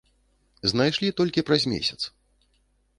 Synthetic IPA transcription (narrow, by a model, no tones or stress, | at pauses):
znajʂlʲit̪ɔlʲkʲipɾɐzʲmʲḛsʲɐt̪s